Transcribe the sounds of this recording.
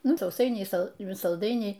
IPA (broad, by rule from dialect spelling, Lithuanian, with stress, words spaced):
ˈnʊ sɐʊˈsɐɪnʲɛɪ ˈsɐlˠ sɐlˠˈdɐɪnʲɛɪ